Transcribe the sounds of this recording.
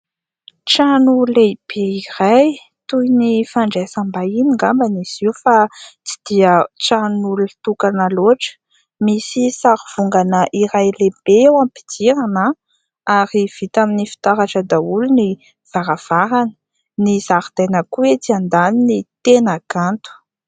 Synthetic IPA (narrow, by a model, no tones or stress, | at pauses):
ʈ͡ʂanuleb̥eiraj | t̪ujnifaɳɖ͡ʐasambainiŋɡambanisiwfat͡si̥d̪̥iəʈ͡ʂanuluit̪ukanaloʈ͡ʂə̥ | misisaɾuv̥uŋɡanəʔiɾajleb̥eewampi̥t͡siɾana | aɾiv̥it̪aminifi̥t̪aɾaʈ͡ʂəd̪auluni | v̥aɾav̥aɾanə̥ | nizaɾd̪̥ajnəkuet͡siand̪aninit̪enaɡant̪u̥